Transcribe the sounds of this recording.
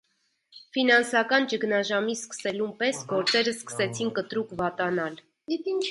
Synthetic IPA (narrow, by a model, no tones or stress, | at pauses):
finɑnsɑkɑnt͡ʃəknɑʒɑmiskə̥sɛlumpɛsɡɔɾt͡sɛɾəskə̥sɛt͡sʰinkət̪ɾukvɑt̪ɑnɑl | it̪inʰ